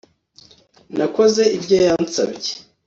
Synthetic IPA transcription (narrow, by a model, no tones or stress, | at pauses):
nʔako̞ze̞ibɟojansa̰bje